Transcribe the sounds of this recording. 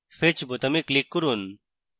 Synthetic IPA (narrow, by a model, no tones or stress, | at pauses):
fet͡ʃʰbot̪ɐmiklikːuɾun